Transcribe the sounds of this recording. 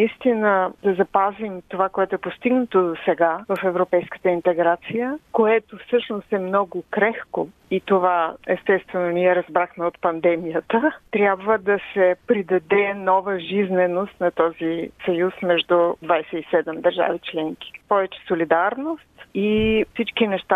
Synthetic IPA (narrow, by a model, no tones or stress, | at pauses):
nəist̪inəd̪ɐzɐpazimt̪ovakoɛt̪ʊɛpost̪iɡnɐt̪od̪osɛɡavəfɛvɾopɛjskə̥t̪əint̪ɛɡɾat̪sijəkoɛt̪ofsɤʃnost̪ɛmnɔɡʊkɾɛxko | it̪ovaɛst̪ɛst̪vɛnoniɛɾɐzbɾaxmɛot̪pɐnd̪ɛmijət̪ət̪ɾʲjabvəd̪ɐsɛpɾid̪ɐd̪ɛnɔvəʒiznɛnost̪nɐt̪ɔzisɐjusmɛʒd̪ʊd̪vajsɛisɛd̪ɛmd̪ɐɾʒa̰vit͡ʃlɛŋk̟i̥pɔvɛt͡ʃɛ̥solid̪aɾnost̪ifsit͡ʃkinɛʃt̪a